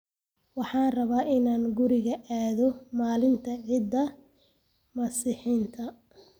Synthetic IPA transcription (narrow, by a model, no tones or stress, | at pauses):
wɑħɑːnrɐβaːʔɪnaːŋɡʊɾɪɣɐʔaːðɔmaːlɪnt̪ʰɐʕɪd̪ːɐ | mɐsɪħiːnt̪ʰɐ